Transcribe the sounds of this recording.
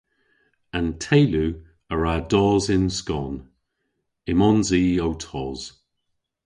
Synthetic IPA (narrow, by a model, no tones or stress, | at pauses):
antʰejlu | əɹadɔːzɪnskɔːn | ɪmɔnziːowtʰɔːz̥